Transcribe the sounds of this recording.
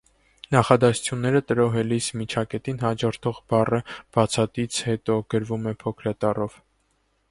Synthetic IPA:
nɑχɑd̪ɑsu̥t͡sʰjunːɛɾət̪əɾɔɦɛlismit͡ʃʰɑkɛt̪inɦɑd͡ʒɔɾt̪ʰɔʁbɑrəb̥ɑt͡sʰɑt̪it͡sʰhɛt̪ɔɡ̥əɾvumɛpʰɔkʰɾɑt̪ɑrɔv

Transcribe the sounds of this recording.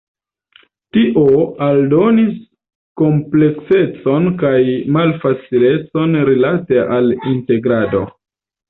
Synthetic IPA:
tiʔo̞aldo̞nis | ko̞mple̞kse̞t͡so̞nkajmalfat͡sile̞t͡so̞nɾilate̞ʔalinte̞ɡɾado̞̰

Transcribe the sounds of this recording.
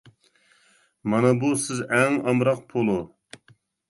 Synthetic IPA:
mɑnɑbusɪzɛŋɑmɾɑq̚pʰolˠu

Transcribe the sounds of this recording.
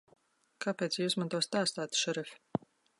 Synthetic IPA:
kʰapʲet̪sjiusmant̪ɔst̪aːst̪aːt̪ʃɛɾɛfʲ

